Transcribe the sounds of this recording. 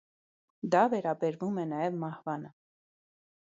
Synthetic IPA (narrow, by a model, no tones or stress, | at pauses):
d̪ɑvɛɾɑbɛɾvumɛnɑjɛvmɑhvɑnə